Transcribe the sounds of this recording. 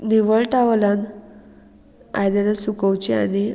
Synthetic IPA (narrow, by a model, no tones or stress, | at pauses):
niʋəɭʈaʋlãn | a̰jd̪alasukəwt͡ɕiañi